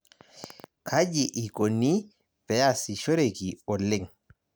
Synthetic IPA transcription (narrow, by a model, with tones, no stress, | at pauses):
kʰa˦d͡ʒiʔi˨ko˨nːi˦ | pɛ˨jasi˨ʃo˦ɾeki˨ɔ˨lːe˦ŋ